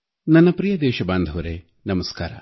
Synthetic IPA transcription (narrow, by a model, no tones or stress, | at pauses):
nɐnːɐpɾijɐd̪ɛːʃɐbaːnd̪ʱɐʋɐɾeː | nɐmɐskaːɾɐ̰